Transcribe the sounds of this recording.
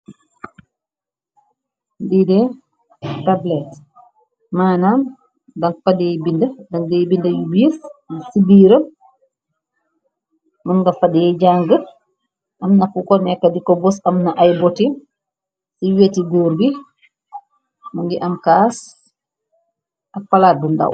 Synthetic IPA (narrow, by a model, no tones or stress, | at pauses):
didɛ | tablɛt | maːnam | daŋfadɛjbindadaŋdɛjbindajubissibiːɾəm | maŋɡafadjɛd͡ʒaŋɡə | ʔamnafukɔnɛkːadikɔbɔsamnaʔajbɔtim | siwetiɡoːɾbi | maŋɡiʔamkaːs | ʔafalabunda̰w